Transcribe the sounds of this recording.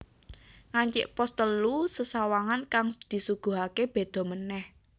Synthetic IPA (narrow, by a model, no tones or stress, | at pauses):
ŋaɲt͡ʃɪ̰ʔpɔst̪əlusəsawaŋankaŋd̪̥i̤suɡ̥ṳɦakeb̥e̤d̪̥ɔ̤mənɛh